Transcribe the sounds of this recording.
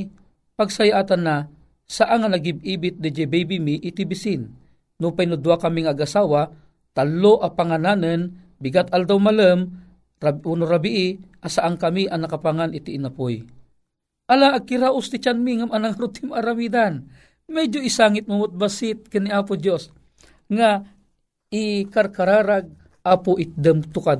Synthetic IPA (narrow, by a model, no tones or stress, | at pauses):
paɡsajaʔaːt̪anːa | saʔaŋanaɡib̚iːbɪt̪̚d̪ɛd͡ʒɛbɛjbimiʔːt̪ibisɪnː | upajnʊd̪uwakamiŋaːɡasaːwa | t̪aloʔapaŋanaːnən | bɪɡat̪ald̪awmaləm | aunoɾabiʔɪʔasaʔaŋkamiʔanakapaŋanʔɪt̪iʔːnapoj | ʔalaʔːɡ̚kiɾaʔʊst̪it͡ʃanmiŋamanaŋaɾʊt̪ɪmaɾamid̪an | mɛd͡ʒoisaːŋɪt̪̚mʊmot̪̚basɪt̪̚kɨnːiapʊd̪jos | ŋa | ikarkaɾaɾaɡ̚ | ʔaːpʊʔɪt̪̚d̪əmt̪ʊkad̪̚